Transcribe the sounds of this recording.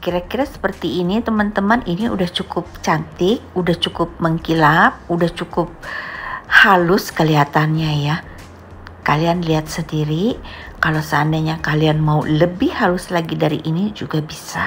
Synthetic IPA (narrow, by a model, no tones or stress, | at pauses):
kiɾakiɾasə̥pərt̪iːnit̪əmant̪əmaniniudaht͡ʃukʊp̚t͡ʃant̪ɪk̚udaht͡ʃukʊp̚məŋkilap̚udaht͡ʃukʊp̚ | halʊskəliɦat̪anɲaja | kalianliat̪̚səndiɾi | kalosəandaɲakalianmauləbɪhhalʊslaɡidaɾḭʔinid͡ʒuɡabisa